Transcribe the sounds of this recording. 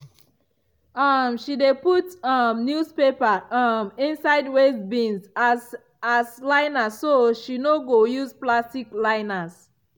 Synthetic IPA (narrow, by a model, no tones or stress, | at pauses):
ʌmʃideputʌmnjuspepaʌmĩnsaɪdwesbĩns | aslaɪnasːoʃinoɡojusplastiklaɪnas